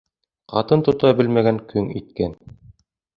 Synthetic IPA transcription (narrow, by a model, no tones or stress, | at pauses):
qɑ̰t̪ɤnt̪ŏt̪ɑbɘlmæɡæŋkʰɵŋit̪̚kæn